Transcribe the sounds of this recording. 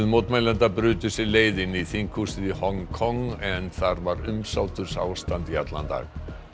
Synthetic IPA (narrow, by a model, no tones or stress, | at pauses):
ðmowt̪majlɛnt̪apɾʏːt̪ʏsɪleːjðɪniθiŋkʰusɪðihɔŋkʰɔŋɛnθaɾvaɾʏmsaːwt̪ʏɾ̥sa̰ːwst̪ant̪iat̪la̰nt̪a̰ɣ